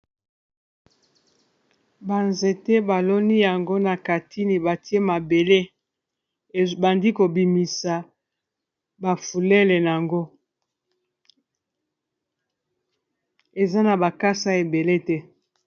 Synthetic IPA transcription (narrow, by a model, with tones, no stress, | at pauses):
ba˨nze˨tɛ˦ba˨lo˦ni˦ja˨ŋɡo˦na˨ka˨tʰi˦ni˨ba˨ti˦e˦ma˨be˨le˦˨ | ba˨ndi˦ko˨bi˨mi˨sa˨ | ba˨fu˨lɛ˦le˨n˨a˨ŋɡo˦ | e˨za˦na˨ba˨ka˦sa˦e˨be˨le˦tɛ˦